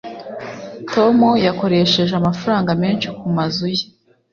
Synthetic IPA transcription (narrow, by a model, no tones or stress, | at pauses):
to̞mujako̞ɾe̞ʃe̞ʒeamafaɾaːŋɡameːnʃikumazuje